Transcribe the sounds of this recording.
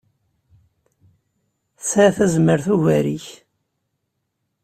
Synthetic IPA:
θsθæzməɾθuʝæɾiç

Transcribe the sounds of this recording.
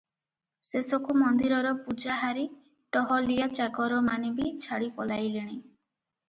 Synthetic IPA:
sesɔkumɔnd̪iɾɔɾɔpud͡ʒaɦaɾi | ʈɔɦɔlijat͡ʃaɡɔɾɔmanibit͡ʃʰaɽipɔlajleɽ̃i

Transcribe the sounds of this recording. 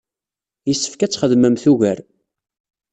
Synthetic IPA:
jəsːə̥fkæt͡sːχəðməmθuʝæɾ

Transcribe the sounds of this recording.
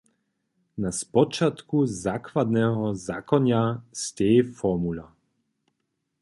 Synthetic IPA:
naspɔt͡ʃat̪kuzakvad̪nɛɦɔzakɔnjast̪eːfɔmula

